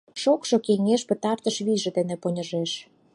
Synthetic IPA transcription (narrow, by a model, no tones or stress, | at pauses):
ʃokʃɤ̆keŋeʃpə̆t̪ɑrt̪əʃβiʒĕd̪enĕponʲə̆ʒeʃ